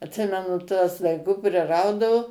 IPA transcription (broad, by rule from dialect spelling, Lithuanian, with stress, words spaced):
ɐtʲˈsʲɪmʲɛnʊ tuɔs dɐɪˈɡʊ pʲrʲɪˈrɐʊdɐʋʊ